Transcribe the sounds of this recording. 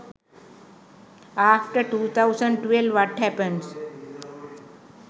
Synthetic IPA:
aːfʈəɾʈuːt̪ʰaʊsə̃ɳɖʈʋelʋɔʈhɛpə̃ns

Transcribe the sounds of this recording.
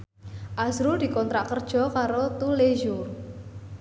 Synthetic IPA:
ʔazɾudi̤kɔnt̪ɾaʔkərd̥ʒ̥ɔ̤kaɾot̪uleʒʊr

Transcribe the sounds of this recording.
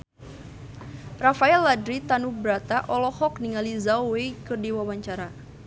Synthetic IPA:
rafaɛlːadɾit̪anubɾat̪aʔɔlɔhɔkniŋalizawwekɨrdiwawaɲt͡ʃaɾa

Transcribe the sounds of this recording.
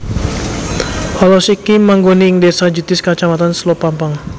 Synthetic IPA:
ʔalosikimaŋɡoniːŋdesad͡ʒut̪ɪskat͡ʃamat̪anslopampaŋ

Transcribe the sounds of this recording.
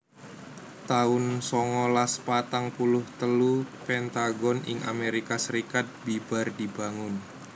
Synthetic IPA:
t̪aʊnsɔŋɔlaspat̪aŋpulʊht̪əlupɛnt̪aɡɔnɪ̰ŋa̰meɾikasəɾikat̪̚b̥ib̥a̤rdi̤baŋʊn

